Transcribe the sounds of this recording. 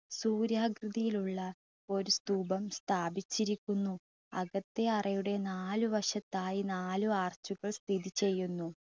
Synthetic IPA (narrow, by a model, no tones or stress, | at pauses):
suːɾjaːɡrɨd̪ijiluɭːɐ | o̞ɾust̪uːbɐmst̪ʰaːbit͡ɕːiɾikʲːunːu | ɐ̰ɣɐt̪ːeɐrɐjuɽe̞naːluʋɐʂɐt̪ːaːjinaːluaːrt͡ɕːuɣɐɭst̪ʰiðit͡ɕe̞jːunːu